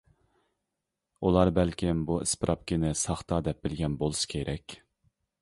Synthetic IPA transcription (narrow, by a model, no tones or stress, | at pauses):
ulˠɑɾbɛlkʲɪmbuɪspɨɾʔɑp̚kʲɪnɪsɑχt̪ɑd̪ɛp̚bɪlɡʲɛnbolˠusɨ̥kʲʰeɾʔɛkʲ